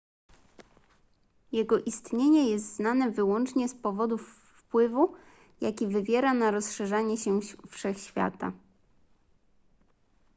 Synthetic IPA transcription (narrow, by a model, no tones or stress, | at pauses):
jɛɡɔʔist̪ɲeɲɛjɛst̪znanɛvɘwɔnt͡ʂɲɛspɔvɔd̪ufː | pwɘvu | jakʲivɘvʲjɛɾanaɾɔsʂɛʐaɲɛɕɛfʂɛxɕfʲja̰t̪a̰